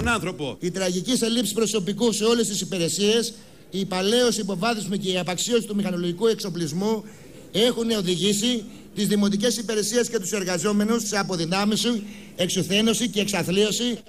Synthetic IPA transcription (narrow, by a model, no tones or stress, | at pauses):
nɐnθɾopo̰it̪ɾɐʝicise̞lipsi̥spɾo̞so̞pikuse̞o̞le̞st̪isipiɾe̞sie̞s | ipɐle̞o̞siːpo̞vɐθismice̞iɐpɐksio̞sit̪umixɐnoloʝikue̞kso̞plizmu | e̞xuneo̞ðiʝisi | t̪izðimo̞t̪ice̞sipeɾe̞siesce̞t̪use̞ɾɣɐzo̞me̞nusseɐpo̞ðinɐmisi | e̞ksuθe̞no̞sice̞ːksɐθlio̞si